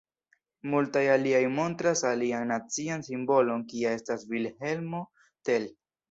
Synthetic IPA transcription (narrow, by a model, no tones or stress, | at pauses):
multajaliajmo̞ntɾasalianːat͡siansimbo̞lo̞nkiae̞stasvilhe̞lmo̞ | te̞l